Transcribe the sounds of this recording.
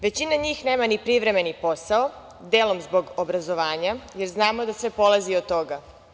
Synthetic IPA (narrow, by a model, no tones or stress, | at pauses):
ʋe̞t͡ɕinaɲiːxne̞ːmanipɾiʋɾe̞me̞nipo̞sao | d̪eːlo̞mzbo̞ɡobɾazo̞ʋaːɲaje̞ɾznaːmo̞d̪asʋe̞po̞laziot̪ːo̞ɡa